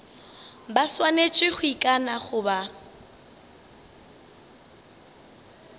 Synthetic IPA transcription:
baswanet͡ʃʼɪχʊikʼanaχʊba

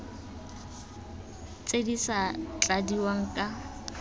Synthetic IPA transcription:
t͡sʼedisat͡ɬʼadiwaŋ̩kʼa

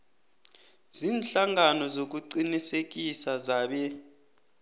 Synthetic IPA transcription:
ziːnɬaŋanɔzok̬uǀinisek̬isazaːɓɛ

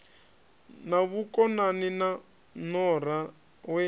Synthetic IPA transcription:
naβukʼɔnanina | nɔɾa | wɛ

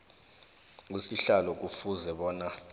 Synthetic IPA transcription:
ŋusiɬalɔk̬ufuzɛɓɔːna

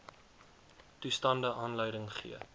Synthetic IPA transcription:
tustɐndəʔɑːnlœjdəŋχḭə

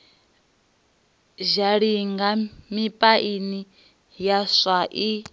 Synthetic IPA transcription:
ʒaɺiŋɡamipʼaʔini | jaʂaʔi

